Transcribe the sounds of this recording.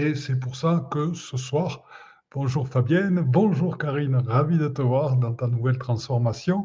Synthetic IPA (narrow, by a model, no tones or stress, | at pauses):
esɛpuʁsakəsəswaːʁ | b̥ɔ̃ʒuʁfabjɛnbɔ̃ʒuʁkaʁinʁavid̪ət̪əvwaʁd̪ɑ̃t̪anuvɛlt̪χɑ̃sfɔʁmasjɔ̃